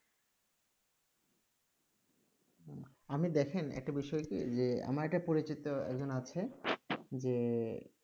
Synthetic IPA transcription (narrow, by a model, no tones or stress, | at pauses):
amid̪ɛkʰenɛ̰k̚ʈabiʃɔekḭd͡ʑea̰maɾeʈapoɾit͡ɕit̪oɛ̰kd͡ʑonat͡ɕʰe | d͡ʑe